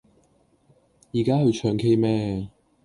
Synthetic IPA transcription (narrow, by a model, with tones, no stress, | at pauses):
jiː˨˩kaː˦˥hɵ˧ɥt͡ʃʰœː˨˩ŋkʰe˧jmɛː˧